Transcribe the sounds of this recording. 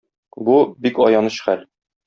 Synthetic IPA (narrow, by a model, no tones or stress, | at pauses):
bubikɒjɑnɤɕχæl